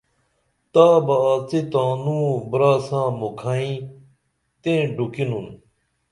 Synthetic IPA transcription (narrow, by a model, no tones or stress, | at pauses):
t̪aːbɐaːt͡set̪aːnũːbɾaːsãːmokʰaːĩ | t̪ẽːɖukinun